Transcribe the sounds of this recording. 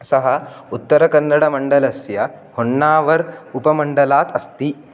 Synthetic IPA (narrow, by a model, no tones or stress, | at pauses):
sɐɦɐut̪ːɐɾɐkɐnːɐɽɐmɐɳɖɐlɐsjɐ | hoɳːaːʋɐɾupɐmɐɳɖɐlaːt̪ʰɐst̪i